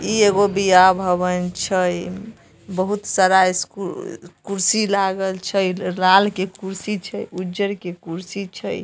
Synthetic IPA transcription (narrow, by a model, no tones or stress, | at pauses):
ieɡobiabʱəβənt͡ʃʰəj | bəɦut̪saɾaeskukuɾsilaɡəlt͡ʃʰəjlalkekuɾsit͡ʃʰəjud͡ʒəɾkekuɾsit͡ʃʰəj